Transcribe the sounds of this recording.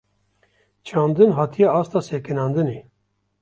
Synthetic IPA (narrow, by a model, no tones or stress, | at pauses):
t͡ʃʰɑːnd̪ɨnɦɑːt̪ʰijɛɑːst̪ɑːseːkɨnɑːnd̪ɨneː